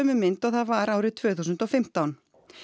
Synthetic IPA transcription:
mʏmːɪnt̪ɔɣθaðvaɾaːwɾɪðt̪ʰv̥œːθuːsʏnt̪ɔfɪm̥t̪awn

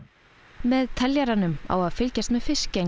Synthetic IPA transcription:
mɛðt̪ʰɛljaɾanʏma̰waðfɪlcast̪mɛðfɪsce

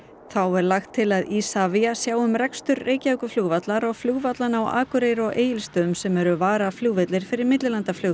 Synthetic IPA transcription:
θawɛɾlaxt̪ʰːɪlaðisaviasjaːwʏmrɛkst̪ʏɾːeːjcaœkʏfluːɣvat̪laɾɔɣfluɣvat̪lanawa̰ːkʏɾeːjɾɔɣeːjɪlst̪œʏmsɛmɛɾʏvaːɾafljuːɣvɪt̪lɪɾ̥fɪɾɪɾmɪt̪lɪɾlant̪aflʏ

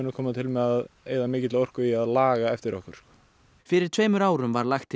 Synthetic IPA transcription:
nʏkʰɔːmat̪ʰɪlmɛðaðeːjðamɪːcɪt̪laɔr̥kʏiaðlaːɣaɛft̪ɪɾɔ̰hkʏɾ̥skɔ | fɪɾɪɾ̥t̪ʰveːjmʏɾaːwɾʏmvaɾlaxt̪ʰː

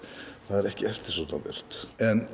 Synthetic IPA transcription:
θaðɛɾɛhcɪɛft̪ɪɾ̥s̬ɔt̪navɪ̰r̥t̪ɛn

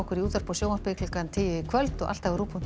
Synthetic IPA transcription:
ɔkʏɾiuːt̪vaɾ̥pɔsjowmḁpɪkʰlʏkant̪ʰɪljɪɪkʰvœlt̪ɔɣʔa̰lt̪avaɾuːpʰun

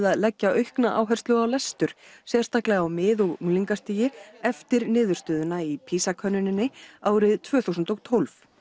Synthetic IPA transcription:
ðaðlɛcːaʔœɥhknaʔa̰ːwɦɛr̥st̪lʏɣawlɛst̪ʏɾ̥sjɛ̥st̪aklɛɣawmɪːðɔɣuŋliŋkast̪iːjɪɛft̪ɪɾnɪːðʏɾ̥st̪œːðʏnaipʰiːsakʰœnːʏnɪnːɪaːwɾɪðt̪ʰvœːθusnt̪ɔɣt̪ʰolf

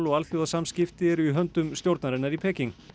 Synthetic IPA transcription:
lɔɣalθjowðasamscɪft̪ɪɛɾiɦœnt̪ʏmst̪jowɾt̪naɾɪnːaɾipʰɛːciŋk

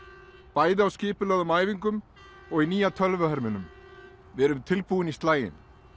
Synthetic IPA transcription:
paːjðɪawscɪːpʏlɛɣðʏmaːjviŋkʏm | ɔɣiniːjat̪ʰœlvʏɦɛɾmɪnʏm | vɛːɾʏmt̪ʰɪlpuɪnist̪laːjɪ̰n

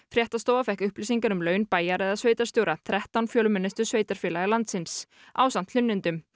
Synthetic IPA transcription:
fɾjɛht̪ast̪oːwvafɛhkʏhplisiŋkaɾʏmlœːɥnpaːjaɾɛðaðsveːjt̪aɾst̪jowɾat̪ʰɾɛht̪awnfjœːlʏmɪnːɪst̪ʏ̥sveːjt̪aɾ̥fjɪːlaɣalant̪sɪns | aːwsant̪ʰlʏnːɪnt̪ʏm

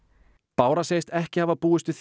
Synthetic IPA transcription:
paːwɾaseːjst̪ɛhcɪhavapuːɪst̪ʏ̥θ

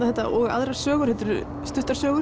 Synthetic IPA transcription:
aθɛt̪a̰ʔɔɣa̰ðɾḁsœːɣʏɾ̥hɛt̪ʏɾ | st̪ʏht̪ḁɾsœːɣʏ

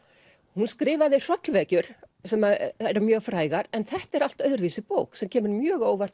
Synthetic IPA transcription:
hunskɾɪːvaðɪr̥ɔt̪lvɛːcʏɾ̥sɛmaɛɾamjœːɣfɾaːjɣaɾɛnθɛht̪ɛɾal̥t̪œɥðɾviːsɪpoːwksɛmcʰɛːmɪɾmjœːɣoːwvaɾ̥

